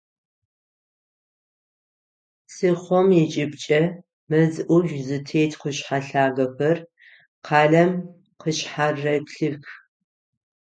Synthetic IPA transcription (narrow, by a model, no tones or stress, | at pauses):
sɨχʷɔmjɛt͡ʃʼɪbt͡ʃʼɐ | mɐzɨʔʷʊʒzɨtʰeːjtʰqəɕħaɬaːɣɐɸɐr | qʰɑːɮɐm | qəɕħarːɐpɬɨx